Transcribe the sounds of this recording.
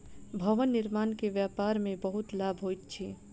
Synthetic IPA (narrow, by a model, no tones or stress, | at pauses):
bʱɐʋənːɪɾmaːnkeʋjaːpaːɾmẽbɐɦʊt̪laːbʱɦoːit̪t͡ʃʰeː